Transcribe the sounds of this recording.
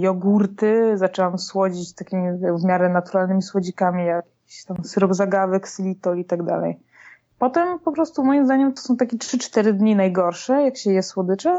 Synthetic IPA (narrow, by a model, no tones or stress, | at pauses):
jɔɡuɾt̪ɘzat͡ʂɛwamswɔd͡ʑit͡ɕt̪akʲimʲivmʲjaɾɛnat̪uɾalnɘmʲiswɔd͡ʑikamʲijakjakiɕt̪amsɘɾɔbzaɡavɛksɘlʲit̪ɔit̪aɡd̪a̰lɛ̰j | pɔt̪ɛmpɔpɾɔst̪umɔjimzd̪aɲɛmt̪ɔ̥sɔ̃w̃t̪akʲɛtʂɘt͡ʂt̪ɛɾɘd̪ɲinajɡɔɾʂɛjakɕɛjɛswɔd̪ɘt͡ʂɛ